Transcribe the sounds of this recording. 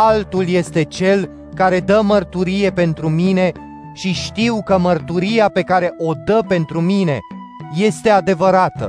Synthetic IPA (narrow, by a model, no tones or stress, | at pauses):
alt̪ulje̞st̪e̞t͡ʃe̞l | kaɾe̞d̪əmərt̪uɾije̞pe̞nt̪ɾumine̞ | ʃiʃt̪iwkəmərt̪uɾijape̞kaɾe̞ʔo̞d̪əpe̞nt̪ɾumine̞ | je̞st̪e̞ad̪e̞vəɾat̪ə̰